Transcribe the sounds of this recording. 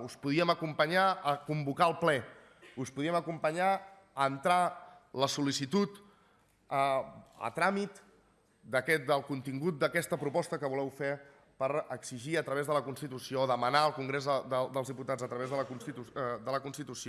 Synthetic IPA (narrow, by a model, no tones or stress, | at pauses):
uspuðiəməkumpəɲaəkumbukaəlˠplɛ | uspuðiəməkumpəɲa | ənt̪ɾaləsulisit̪ut̪ | əə̰t̪ɾamit̪ | d̪əkɛt̪̚d̪əlˠkunt̪iŋɡut̪̚d̪əkɛst̪əpɾupɔst̪əkəβulɛwfeɾ | pəɾəkziʒiət̪ɾəβ̞ezðələkunst̪it̪usioːðəmənaəlˠkuŋɡɾezəd̪əd̪əlˠzðiput̪ad͡zət̪ɾəβezðələkunsit̪ud̪ələkunst̪it̪usio